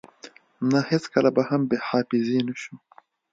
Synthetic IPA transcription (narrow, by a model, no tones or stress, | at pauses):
nahet͡skalabahambeħɑːfɪzinaʃu